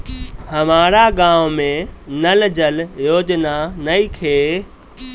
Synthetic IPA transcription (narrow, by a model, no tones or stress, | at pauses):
hɐmaːɾaɡãːʋmẽnɐld͡ʑəljoːd͡ʑnanɐikʰeː